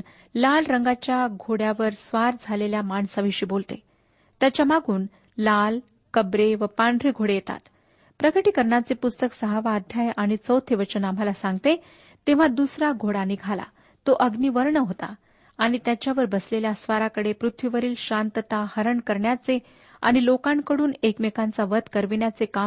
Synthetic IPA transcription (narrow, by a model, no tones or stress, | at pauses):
lalɾəŋɡat͡ɕjaɡʱoɽjaʋəɾsʋaɾd͡zʱaleljamaɳsaʋiɕiːbolt̪ḛ | t̪jat͡ɕjamaɡʱuːn | lal | kəbɾeʋəpaɳɖɾeɡʱoɽejet̪a̰t̪ | pɾəkəʈiːkəɾɳat͡sepust̪əksəɦaʋaːd̪ʱjajaɽ̃it͡səwt̪ʰeʋət͡ɕənam̤alasãŋɡt̪e | t̪ẽʋ̤ad̪usɾaɡʱoɽaniɡʱala̰ | t̪oʔəɡniːʋəɾɳəɦot̪a̰ː | ɽ̃it̪jat͡ɕjaʋəɾbəsleljasʋaɾakəɽepɾut̪ʰʋiʋəɾiːlɕant̪ət̪ahəɾəɳkəɾɳjat͡se | a̰ɽ̃ilokankəɽuːnekmekant͡saʋət̪kəɾʋinjat͡seka